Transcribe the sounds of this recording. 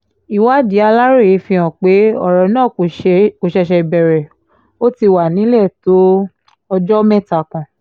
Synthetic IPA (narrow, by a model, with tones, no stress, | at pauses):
i˨wa˨˦di˨˦a˧la˦ɾe˦˨e˨˦fĩ˧ɔ̃˨k͡pe˨˦ɔ˦˨ɾɔ˨nãː˦˨ko˨ʃɛ˧ʃɛ˧i˧bɛ˨ɾɛ˨ | o˦ti˧wa˨nĩ˨˦lɛ˦˨to˦ | ɔ˧d͡ʒɔ˦mɛ̃˦˨ta˨kã˨